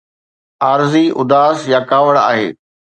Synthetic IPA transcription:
aːɾziʔʊd̪aːsjakaːʋəɽa̰ːɦḛː

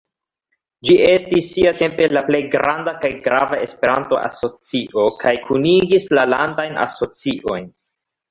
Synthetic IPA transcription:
d͡ʒiʔe̞stisːiate̞mpe̞laple̞jɡɾʔandakajɡɾavae̞spe̞ɾanto̞ʔa̰so̞t͡siʔo̞kʰajkʰuniɡislalandajnʔa̰so̞t͡siʔo̞jn

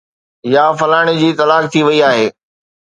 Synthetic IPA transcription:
jaːfɐlaːɽ̃id͡ʑiːt̪ɐlaːk̚t̪ʰiʋɐiaːɦeː

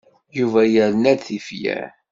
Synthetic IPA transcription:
juvæjəɾnæd̪θifjæ̰

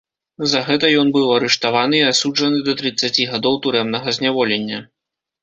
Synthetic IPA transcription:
zɐɣɛt̪ɐjɔnbɨwɐɾɛʂt̪avanɨiasud͡ʐɐnɨd̪ɐt̪ɾɨt̪sːat͡sʲiɣad̪ɔwt̪uɾɛmnɐɣɐzʲnʲavɔlʲenʲːɐ

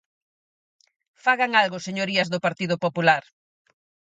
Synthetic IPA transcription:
faɣaŋalɣʊseɲoɾiɐzðʊpaɾt̪iðʊpopulaɾ

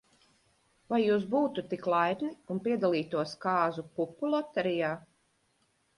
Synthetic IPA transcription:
vajːuːs̬buːt̪ut̪ːiklˠajd̪niunpiɛd̪alˠiːt̪uɔskaːzupupːulˠɔt̪ɛɾijaː

